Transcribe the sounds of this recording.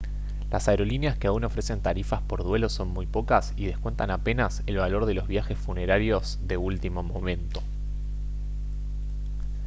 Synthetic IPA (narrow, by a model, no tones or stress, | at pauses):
lʔa̰saeɾo̞linjaskeauno̞fɾe̞se̞nt̪aɾifaspo̞ɾðwe̞lo̞so̞nmujpo̞kasið̞e̞kwe̞nt̪anape̞nase̞lβalo̞ɾðe̞lo̞zβ̞jaxe̞sfune̞ɾaɾjoz | ðe̞ult̪imo̞mo̞mẽ̞nt̪o̞̥